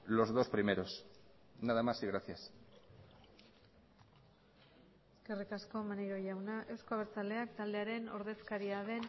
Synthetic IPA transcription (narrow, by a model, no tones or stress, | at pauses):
lo̞zðo̞spɾimeɾo̞s | naðamasiɣɾaθjas | eske̞rikasko̞manejɾo̞ʝawnaʔe̞wskoaβeɾt͡sald̪e̞ak̚t̪ald̪eaɾe̞no̞ɾðe̞skaɾiaðe̞n